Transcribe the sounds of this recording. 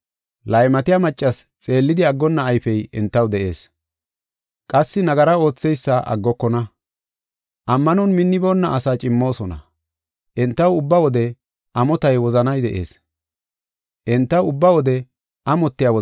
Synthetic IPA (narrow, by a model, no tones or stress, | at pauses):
lɐjmɐt̪ɪjamɐt͡ʃʼːɐs | t͡sʼe̞ːlːɪd̪ɪɐɡːɔnːɐːjfɛjɪnt̪ːɐwd̪ɛʔe̞̰ːs | kʼɐsːɪnɐɡɐɾɐo̞ːt͡sːɛjsːɐʔɐ̰ɡːɔkːɔnɐ | ʔɐmːɐnɔnmɪnːɪbo̞ːnːɐʔɐsaːt͡ʃʼɪmːo̞ːsɔnɐ̰ | ʔɛnt̪ːɐwʊbːɐwɔd̪ɛ | ʔɐmɔt̪ɐjwɔzɐnɐjd̪ɛʔḛːs | ʔɪnt̪ːɐwʊbːɐwɔd̪ɛ | ʔɐmɔt̪ːɪjawɔ